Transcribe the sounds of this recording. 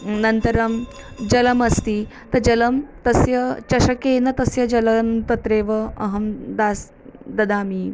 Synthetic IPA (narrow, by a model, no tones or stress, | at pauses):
nɐnt̪ɐɾɐm | d͡ʑɐlɐmɐst̪iːt̪ɐd͡ʒɐlɐmt̪ɐsjɐt͡ʃɐʃɐkeːnɐt̪ɐsjɐd͡ʒɐlɐmt̪ɐt̪ɾeːʋɐɐ̰ɦɐmd̪aːs | d̪ɐd̪aːmiː